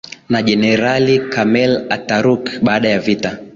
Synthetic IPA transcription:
naʄɛnɛɾalikamɛlataɾukɓaːɗajavita

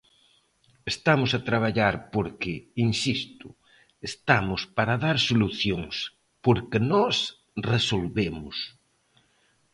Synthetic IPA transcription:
est̪amʊsat̪ɾaβ̞aʎaɾpoɾkeinsist̪ʊ | est̪amʊspaɾaðaɾsoluθjoŋs | poɾkenɔs | resolβemʊs

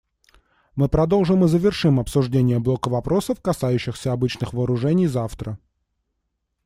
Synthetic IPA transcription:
mɨpɾɐd̪o̞lˠʐɨmɨzəvʲɪrʂɨmɐpsʊʐdʲenʲɪjəblˠo̞kəvɐpɾʔo̞səfkɐsajʉɕːɪxsʲəɐbɨt͡ɕnɨxvəːɾʊʐɛnʲɪjzaft̪ɾə

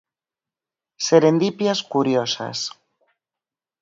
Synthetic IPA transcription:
seɾend̪ipjaskuɾjosa̰s

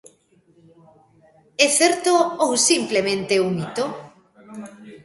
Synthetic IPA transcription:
ɛθeɾt̪oowsimplemẽnt̪eunit̪o

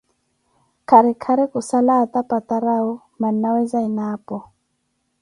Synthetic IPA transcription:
kʰaɾikʰaɾikusalat̪apat̪aɾau | mannawɛzainaːpɔ

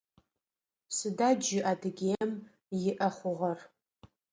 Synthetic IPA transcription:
sɨdaːd͡ʒɪʔadɨɡʲeːm | jɪʔɐχʷʊʁɐr

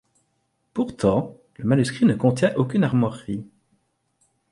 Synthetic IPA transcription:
puʁt̪ʰɑ̃ | ləmanyskχinəkɔ̃t̪jɛ̃ʔokʲynaʁmɔʁi

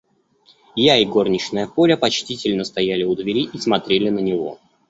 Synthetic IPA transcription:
jaiɡo̞rnʲɪʂnəjəpoɾʲəpɐt͡ɕtʲitʲɪlʲnəst̪ɐjælʲɪʊd̪vʲɪɾʲiʔismɐt̪ɾʲelʲɪnənʲɪvo̞̰

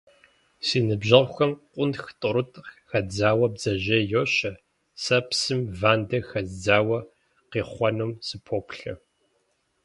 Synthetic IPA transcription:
siːnɨbʑɐʁxʷɐmqʷʼʊnxtʼʊɾʊtʼxɐd͡zaːwɐbzɐʑɐjoːɕɐ | sɐpsɨmvaːndɐxɐzd͡zaːwɐ | qeːχʷɔnomsɨpʰoːpʰɬɐ̰

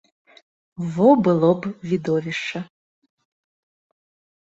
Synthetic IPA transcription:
vɔbɨlˠɔbvʲid̪ɔvʲiʂt͡ʂɐ

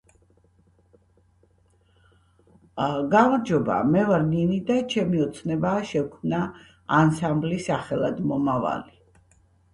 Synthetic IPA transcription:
ɡamaɾd͡ʒɔba̰mɛvaɾninid̪at͡ʃʰɛmiɔt̪sʰnɛbaːʃɛkʰmnaː | nsamblisaχɛlˠad̪mɔmava̰li

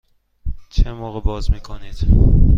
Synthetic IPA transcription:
t͡ʃʰemɒʁəbɒzmikʰonid̪̥

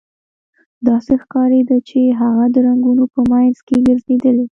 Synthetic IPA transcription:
d̪ɑsexkɑɾed̪at͡ʃeɦaɣad̪əɾaŋɡunopəmajnzkeɡəɾzed̪əle

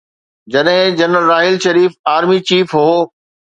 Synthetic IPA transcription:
d͡ʑɐɗɦɪ̃d͡ʑɐnɾəlɾaːɦɪlʃɐɾiːfaːɾmit͡ɕiːfɦoː

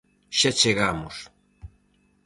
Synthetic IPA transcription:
ʃat͡ʃeɣamʊs

